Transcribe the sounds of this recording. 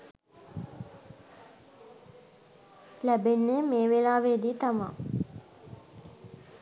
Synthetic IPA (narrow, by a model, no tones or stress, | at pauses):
læbenːemeːʋelaːʋeːd̪iːt̪ama̰